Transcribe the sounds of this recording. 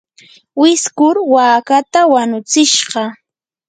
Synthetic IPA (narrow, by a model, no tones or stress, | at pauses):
wɪskʊɾwaːkat̪awanʊt͡sɪʃɢɑ